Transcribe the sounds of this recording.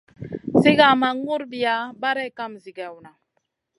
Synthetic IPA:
si˦ɡa˨ma˨˦ŋu˦ɾbi˨a˨˦ba˦ɾɛ˦˨ka˦mzi˨ɡa˨wna˨

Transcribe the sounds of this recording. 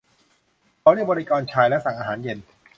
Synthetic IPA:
kʰa˨˩˦ɾi˥˩bɔː˧ɾi˦˥kɔː˧nt͡ɕʰaː˧jlɛ˦˥sa˨˩ŋʔaː˧ɦaː˩˦nje˧n

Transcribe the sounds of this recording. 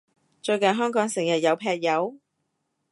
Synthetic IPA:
t͡ʃɵ˧ɥkɐ˨nɦœː˥ŋkɔː˨˥ŋsɪ˨˩ŋjɐ˨t̚jɐ˨˧wpʰɛː˧k̚jɐ˨˧w

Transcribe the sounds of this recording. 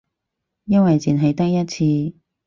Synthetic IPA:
jɐ˥nwɐ˨jt͡sʰiː˨˩nɦɐ˨jt̪ɐ˥k̚jɐ˥t̚t͡sʰiː˧

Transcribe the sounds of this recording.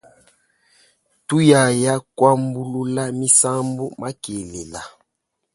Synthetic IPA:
tu˦ja˨ja˦kwa˦mbu˦lu˦la˦mi˦sa˦mbu˦ma˦ke˨le˨la˨

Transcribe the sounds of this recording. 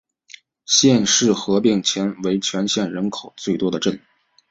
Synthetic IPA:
ɕjɛ˥˧nʂɻ̩˥˩xɤ˧˥pi˥˩ŋt͡ɕʰjɛ˧˥nwe˧˥ɪt͡ɕʰɥɛ˧˥nɕjɛ˥˩nɻə˧˥nkʰo˨˩ʊt͡swe˥˩ɪt̪wɔ˥d̪ə˨˧ʈ͡ʂə˥˩n

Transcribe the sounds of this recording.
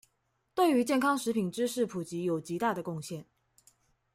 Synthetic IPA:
t̪we˥˩ɪy˧˥t͡ɕjɛ˥˩nkʰɑ˥ŋʂɻ̩˧˥pʰi˨˩nʈ͡ʂɻ̩˥ʂɻ̩˥˩pʰu˨˩t͡ɕi˧˥jo˨˩ʊt͡ɕi˧˥t̪a˥˩d̪ə˩kʊ˥˧ŋɕjɛ˥˩n

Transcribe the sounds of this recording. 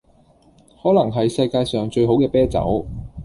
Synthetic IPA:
hɔː˨˥lɐ˨˩ŋɦɐ˨jsɐ˧jkaː˧jsœː˨ŋt͡ʃɵ˧ɥɦo˨˥wkɛː˧pɛː˥t͡sɐ̰˨˥w

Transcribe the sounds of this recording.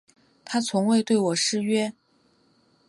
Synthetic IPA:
t̪ʰa˥t͡sʰʊ˧˥ŋwe˥˧ɪt̪we˥˩ɪwɔ˨˩ʂɻ̩˥˧ɥɛ˥

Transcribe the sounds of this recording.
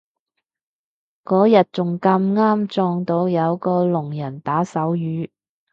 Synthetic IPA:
kɔː˨˥jɐ˨t̚t͡sʊ˨˩ŋkɐ˧mŋaː˥mt͡sɔː˧ŋt̪o˧wjɐ˨˧wkɔː˧lʊ˨˩ŋjɐ˨˩nt̪aː˨˥sɐ˨˥wjyː˨˥

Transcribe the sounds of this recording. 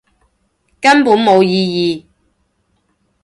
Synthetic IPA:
kɐ˥npuː˨˥nmo˨˧wjiː˧jiː˨

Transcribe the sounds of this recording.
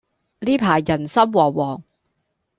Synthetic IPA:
liː˥pʰaː˨˩jːɐ˨˩nsɐ˥mwɔː˨˩wɔː˨˩ŋ

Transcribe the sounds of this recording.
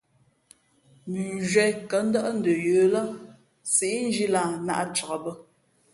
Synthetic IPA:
mʉ˨n˨ʒɥɛ˨jkə˨˦n̩˦də˦ʔn̩˦də˨jəː˨˦lə˦ | se˨ʔn̩˦d͡ʒi˦la˨na̰˦ʔa˨t͡ʃə˨ɣə˨bə˦

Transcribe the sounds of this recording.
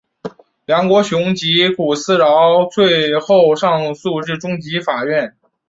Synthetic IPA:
ljɑ˧˥ŋkwɔ˧˥ɕjʊ˧˥ŋt͡ɕi˧˥ku˨˩sɹ̩˥ɻɑ˧˥ʊt͡swe˥˧ɪxo˥˧ʊʂɑ˥˧ŋsu˥˧ɻɻ̩˥˩ʈ͡ʂʊ˥ŋt͡ɕi˧˥fa˨˩ɥɛ˥˩n

